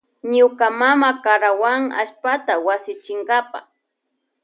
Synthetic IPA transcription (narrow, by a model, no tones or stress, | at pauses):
ɲʊkamamakaɾawaŋa̰ʃpat̪awasɪt͡ʃɪŋɡapa̰